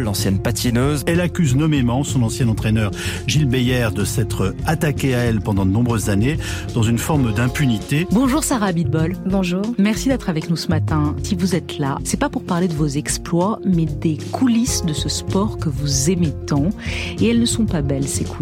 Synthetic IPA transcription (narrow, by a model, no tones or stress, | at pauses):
lɑ̃sjɛnpat̪ʰjinøzɛlakʲyznɔmemɑ̃sɔ̃nɑ̃sjɛ̃nɑ̃t̪χɛnœʁʒilbejɛʁd̪əsɛt̪χat̪akʲeaɛlpɑ̃d̪ɑ̃d̪ənɔ̃bʁøzːaned̪ɑ̃zynfɔʁmd̪ɛ̃pynit̪ebɔ̃ʒuʁsaʁabid̪̚bɔlbɔ̃ʒuːʁmɛʁsid̪ɛt̪χavɛknusəmat̪ɛ̃sivuzɛt̪lasɛpapuʁpaʁled̪əvozɛksplwamɛd̪ekʰulisd̪əsəspɔʁkəvuzemet̪ɑ̃eɛlnəsɔ̃pabɛlseku